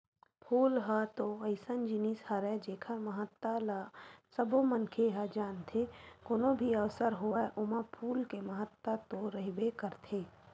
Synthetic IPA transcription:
pʰuːlɦat̪oɐɪsənd͡ʒinishɐɾɛd͡ʒeːkʰəɾməɦət̪ːalasəbomənkʰeɦad͡ʒaːnt̪ʰekoːnobʱiəʋsəɾɦoɛʔʊmãpʰuːlkeməɦət̪ːat̪oɾəɦibekəɾt̪ʰeː

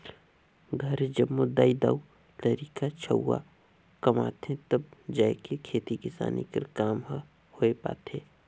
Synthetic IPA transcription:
ɡʱɐɾd͡ʒɐbmʊd̪aːid̪a̰ːu | t̪ɐɾiːkat͡ʃʰɐwːa̰ | kɐma̰ːt̪ʰẽt̪ɐbd͡ʒaːekekʰeːt̪ikɪsa̰ːnḭkə̰ɾkaːm | hoepa̰ːt̪ʰeː

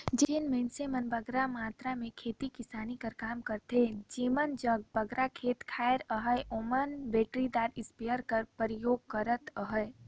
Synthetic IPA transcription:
d͡ʒenmẽːnsemənbɐɡɾamaːt̪ɾamẽkʰeːt̪ikɪsaːnikɐɾkaːmkəɾt̪ed͡ʒeːmənd͡ʒəɡ̚bɐɡɾakʰeːt̪kʰaːəɾəɦəjʔoːmənbeːʈɾid̪aːɾɪspijəɾkəɾpəɾɪjoːɡ̚kəɾət̪əɦə

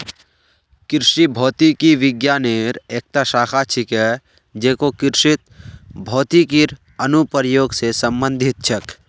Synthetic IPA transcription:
kɪɾʃibʱɔːt̪ikiʋɪɡjaːneːɾeːk̚t̪aʃaːkʰat͡ʃʰɪkɛ | d͡ʒeːkokɪɾʃɪt̪̚bʱɔːt̪ikiɾ | ənupɾjoːɡsesə̃mbə̃nd̪ʱɪt̪̚t͡ʃʰɐk

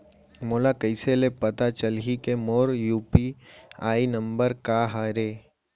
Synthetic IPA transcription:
moːlakɐɪselepɐt̪at͡ʃəlɦikemoːɾjuːpiaːinə̃mbəɾkaɦaɾeː

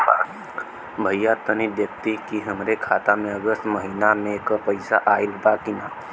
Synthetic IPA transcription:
bʱəjːat̪ːəñibjək̚t̪ikiɦəmɾekʰat̪ameəɡəst̪məɦinamekəpəjsaʔailbakina

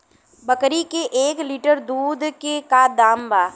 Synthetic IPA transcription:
bɐkɾikeʔeːkliːʈəɾd̪uːd̪kekad̪aːmbaː

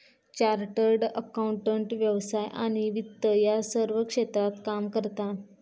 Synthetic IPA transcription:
t͡ɕaɾʈəɾɖəkauɳʈəɳʈʋjəʋsajʔaɽ̃iʋit̪ːəjasəɾʋəkʂet̪ɾat̪kamkəɾt̪a

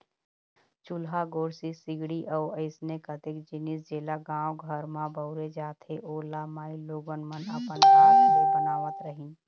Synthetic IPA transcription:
t͡ʃʊlɦaɡoːɽsisɪɡɽiʔəːəɪsnekət̪ɪkd͡ʒɪnis̬d͡ʒeːlaɡãːwɡʱəɾmãbəʊɾed͡ʒaːt̪ʰeʔoːlamaːiloːɡənmənəpənkaːobənaːʋət̪ɾəɦĩ

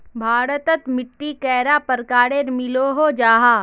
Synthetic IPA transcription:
bʱaːɾət̪ət̪mɪʈːikɛːɾapəɾkaːɽeɾmɪloɦod͡ʒaːɦaː

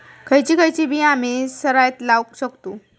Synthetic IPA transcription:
kʰəjt͡ɕiːkʰəjt͡ɕibʱiːamisəɾajt̪lawkɕəkt̪uː

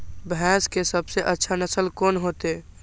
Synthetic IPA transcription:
bʱɛskesəbseʔətːʃʰanəsəlkonɦoːt̪e

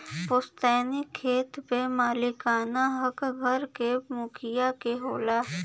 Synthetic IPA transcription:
pʊst̪ɛːnikʰːeːt̪pemaːlɪkaːnaɦɐkɡʱɐɾkemʊkʰɪjakeɦoːlaː

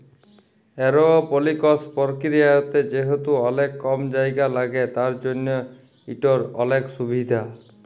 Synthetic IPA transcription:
eɾoɔpolikɔspɔɾkɾiajot̪ed͡ʒeɦet̪uɔlekːɔmd͡ʒajɡalaɡet̪aɾd͡ʒonjɔ | iʈɔɾɔleksubid̪ʱa

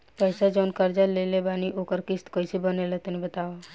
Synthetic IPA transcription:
pəjsad͡ʒəʊnkəɾd͡ʒalelebaːniʔoːkəɾkɪst̪koisibənelet̪onĩbət̪aːʋa

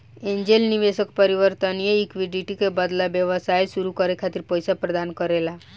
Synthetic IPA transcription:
ẽnd͡ʒelniʋesəkpəɾiʋəɾt̪ənijəikʋiɖiʈikebəd̪labjəʋəsajsuɾukəɾekʰat̪iɾpɔjsapɾəd̪ankəɾela

